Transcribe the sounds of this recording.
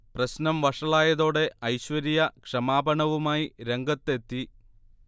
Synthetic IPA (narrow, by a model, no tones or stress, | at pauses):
prɐɕnɐmʋɐʂɐɭaːjɐðo̞ːɽe̞ʔɐjɕʋɐɾijɐkʂɐmaːbɐɳɐʋumaːjiɾe̞ŋɡɐt̪ːe̞t̪ːi